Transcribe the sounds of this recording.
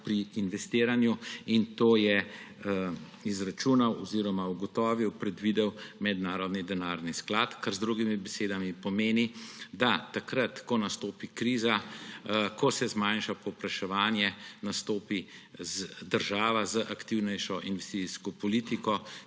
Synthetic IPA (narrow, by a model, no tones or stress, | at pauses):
pɾiːnʋɛst̪eːɾanjuint̪oːjɛ | izɾat͡ʃuːnawɔziɾɔmauɡɔt̪ɔːʋiwpɾɛd̪ʋiːd̪ɛwmɛd̪naːɾɔd̪nid̪ɛnaːɾnisklat̪kaɾzd̪ɾuɡimibɛseːd̪amipɔmeːnid̪at̪ːakɾat̪kɔnast̪oːpikɾiːza | kɔsɛzmajnʃapɔwpɾaʃɛʋaːnjɛnast̪oːpizd̪əɾʒaːʋazəʔakt̪iwnɛjʃɔʔinʋɛst̪it͡ssiskɔpɔliːt̪ikɔ